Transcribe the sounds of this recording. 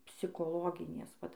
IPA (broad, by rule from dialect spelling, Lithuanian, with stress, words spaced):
pʲsʲɪkoːˈlˠoːɡʲɪnʲeːs ˈʋɐt